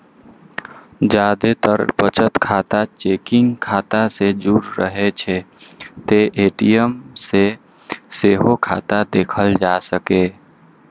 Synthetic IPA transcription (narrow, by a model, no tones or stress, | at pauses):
d͡ʒaːd̪et̪əɾpət͡ʃət̪kʰaːt̪at͡ʃeːkɪ̃ŋɡkʰaːt̪ased͡ʒuɾːəɦet͡ʃʰet̪eʔeːʈijəmse | seːɦokʰa̰ːt̪ad̪eːkʰəld͡ʒaːsəkeː